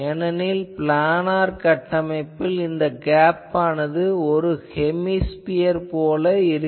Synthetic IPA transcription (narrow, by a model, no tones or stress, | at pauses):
ɛnɐnɪlplaːnaːɾkɐʈːɐmɐɪpːɪlɪnd̪ɐɡaːpːaːnɐðɯɔɾɯhɛmːispɪjɐɾpoːlɐɪɾɯ